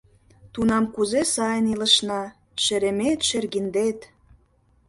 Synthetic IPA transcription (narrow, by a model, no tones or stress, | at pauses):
t̪unɑmkuzesɑjənilə̆ʃnɑ | ʃĕɾemet̪ʃerɣind̪et̪